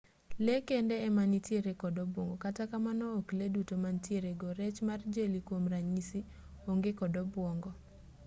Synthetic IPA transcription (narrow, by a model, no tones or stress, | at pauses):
lekendeːmanitjeɾekɔdɔbwɔŋɡɔkatakamanɔːkledutomantjeɾeɡɔɾɛt͡ʃmard͡ʒelikwomraɲisi | oŋɡekɔdɔbwɔŋɡɔ